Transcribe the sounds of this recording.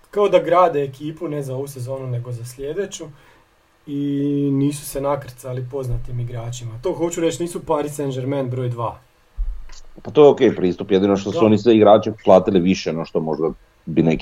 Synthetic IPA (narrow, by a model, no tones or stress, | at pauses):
kaod̪aɡɾaːd̪eːkiːpune̞zao̞ʋuse̞zo̞ːnune̞ɡo̞zaslʎʲed̪et͡ɕu | iniːsu̥se̞nakɾt̪salipo̞znat̪imiɡɾaːt͡ɕimat̪o̞xo̞t͡ɕuɾe̞t͡ɕniːsupaɾisend͡ʒeɾmenbɾo̞ːjd̪ʋaː | pat̪ojeokejpɾiːst̪upjed̪inoʃt̪ossuonisʋeiɡɾaːt͡ʃeplˠaːt̪iliʋiʃenoʃt̪omo̞ʒd̪a | binek